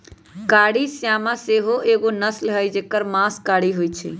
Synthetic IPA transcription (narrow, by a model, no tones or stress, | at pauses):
kaɽisjamãseɦoʔeɡonəslɦəjd͡ʒekəɾmãskaɽiɦojt͡ʃʰḭ